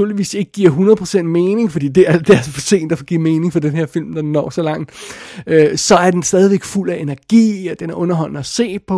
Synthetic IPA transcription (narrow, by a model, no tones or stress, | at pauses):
uɐ̰liʋḭːse̝ɡ̥əɡ̥iɐ̰ɦunɐð̩ˠpʰʁo̝sen̰d̥me̝ːne̝ŋfɒd̥ḭːd̥e̝æɐd̥æɐsfɒ̽se̝̰ːnd̥æfɒ̽ɡ̥iɐme̝ːne̝ŋfɒ̽d̥enhe̝ɐfil̰md̥ɑ̈dnːɒ̰ːsɒ̽lɑ̈ŋ̰d̥øsɒ̽æɐd̥ensd̥ɛːðˠiʋeɡ̥ful̰æe̝næɐɡ̥ḭːɒd̥enæɐʔɔ̽nɐɦɒ̽l̰nəæse̝̰ːpʰɒ̽